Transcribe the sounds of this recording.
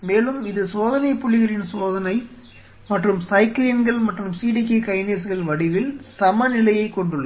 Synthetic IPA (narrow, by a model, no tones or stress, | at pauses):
meːlɯmɪðɯsoːðɐnɐɪpːʊɭːɪɣɐrɪnsoːðɐnɐɪ | mɐʈrɯmsɐɪklinɡɐɭmɐʈrɯmsiːɽikikɐɪneːsɣɐɭʋɐɽɪɣɐɭsɐmɐnɪlɐjɐɪkːɔɳɖɯɭːɐ